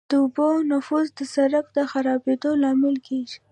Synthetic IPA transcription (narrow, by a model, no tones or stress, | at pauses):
d̪̥əʊbonʊfuzd̪əsaɾakd̪əxaɾɑbed̪olɑmɪlkʰeʒi̥